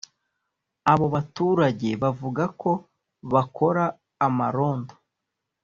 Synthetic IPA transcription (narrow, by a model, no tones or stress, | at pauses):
aβo̞βatuːɾaɟe̞βavuɡako̞ | βakʰo̞ɾaː | maɾo̞ːndo